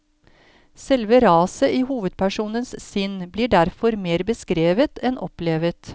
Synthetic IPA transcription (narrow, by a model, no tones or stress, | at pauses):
sɛlʋəɾɑːsəʔiːhuːʋəd̪̚pʰæʂuːnənssʏnbliːɖæɾfɔɾmeːɾbəskɾeːʋət̪ɛnʔɔpleːʋət̪